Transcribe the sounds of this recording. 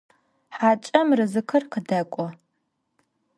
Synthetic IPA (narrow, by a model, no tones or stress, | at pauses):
ħat͡ʃʼɐmrɨzɨkʰɐrqʰədɐkʷʼɔ